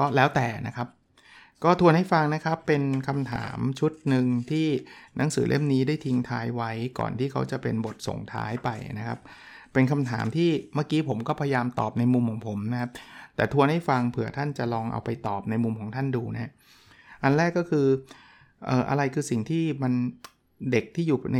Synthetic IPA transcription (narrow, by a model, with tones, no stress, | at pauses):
kɔː˥˩lɛː˦˥wt̪ɛː˨˩na˦˥kʰa˦˥p̚ | kɔː˥˩t̪ʰu˧ənha˥˩jfa˧ŋna˦˥kʰa˦˥pːe˧nkʰa˧mt̪ʰa̰ː˩˦mt͡ɕʰu˦˥t̪̚nɯ˧ŋt̪ʰiː˥˩na˩˦ŋsɯː˩˦le˥˩mniː˦˥daː˥˩jt̪ʰi˧ŋt̪ʰaː˦˥jwa˦˥jkɔ̰ː˨˩nt̪ʰiː˥˩kʰa˦˥wt͡ɕa˨˩pe˧nbo˨˩t̪̚so̰˨˩ŋt̪ʰa̰ː˦˥jpa˧jna˦˥kʰa˦˥p̚ː | e˧nkʰa˧mt̪ʰaː˩˦mt̪ʰiː˥˩maː˥˩kiː˦˥pʰo˩˦mkɔː˥˩pʰa˧ja˧jaː˧mt̪ɔ̰ː˨˩p̚na˧jmu˧mkʰɔː˩˦ŋpʰo˩˦mna˦˥kʰa˦˥p̚t̪ɛ̰ː˨˩t̪ʰu˧ənha˥˩jfa˧ŋpʰɯ˨˩˦ɐt̪ʰa˥˩nt͡ɕa˨˩ʔlɔː˧ŋʔa̰˧wpa˧jt̪ɔː˨˩p̚na˧jmu˧mkʰɔː˩˦ŋt̪ʰa˥˩nduː˧na˦˥a˥ | ʔa˧nɾɛː˥˩kːɔː˥˩kʰɯː˧ | ʔɤː˨˩ʔa̰˧ɾa˧jkʰɯː˧si˨˩ŋt̪ʰiː˥˩ma˧n | de˨˩k̚t̪ʰiː˥˩juː˨˩˧